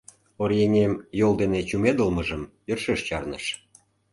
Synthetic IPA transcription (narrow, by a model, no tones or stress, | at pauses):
oɾjenʲemjold̪enet͡ɕumed̪əlməʒəmjərʃeʃt͡ɕɑrnə̰ʃ